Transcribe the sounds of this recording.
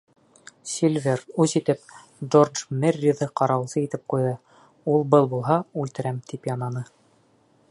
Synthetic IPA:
sʲilʲvʲerʉzit̪ɘp | dord͡ʒmɘrʲːiðɤqɑɾɑwsɤit̪ɘp̚qujðɤ | ulˠbɤlˠbulˠɦɑʉlt̪ɘ̆ɾæmt̪ʰipjɑnɑnɤ

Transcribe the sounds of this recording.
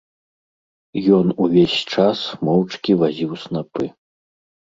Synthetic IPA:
jɔnuvʲesʲt͡ʂasmɔwt͡ʂkʲivazʲiwsnapɨ

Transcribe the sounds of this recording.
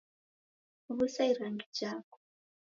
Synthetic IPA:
βusaiɾaŋɡid͡ʒaːkɔ̥

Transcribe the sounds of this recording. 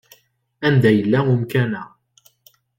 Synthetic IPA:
ʔand̪ajlːamʊmkana

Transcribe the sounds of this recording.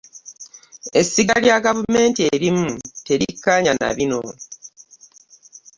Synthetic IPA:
e̞sːiɡaljaɡavume̞ːntieɾimute̞ɾikːaɲana̰βino̞

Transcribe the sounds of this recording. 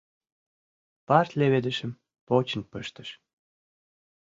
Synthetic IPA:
pɑrt̪ʲleβed̪ə̆ʃə̆m | pot͡ɕə̆npəʃt̪ə̥̆ʃ

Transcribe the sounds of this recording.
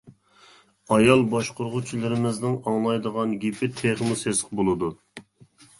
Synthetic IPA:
ɑjɑlˠbɑʃqʰoɾʁʊt͡ʃʰilˠɨɾɪmɪznɪŋɑŋlˠɑjd̪əʁɑnɡʲipʰɪt̪ʰeʁmusesqbolˠɨd̪u

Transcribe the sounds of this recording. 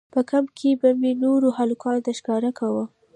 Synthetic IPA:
pəkamkʰebamenoɾohalukɑnt̪aʃkɑɾakʰawə

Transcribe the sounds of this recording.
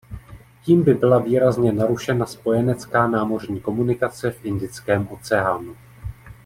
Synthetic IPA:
ciːmbɪbɪlaviːɾazɲɛnaɾuʃɛnaspo̞jɛnɛt͡skaːnaːmo̞r̝ɲiːko̞munɪkat͡sɛfʔɪndɪt͡skɛːmʔo̞t͡sɛaːnu

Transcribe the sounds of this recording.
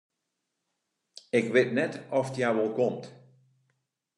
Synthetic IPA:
ɪkʋɪtnɛtɔftjaːʋɔlˠkɔmt

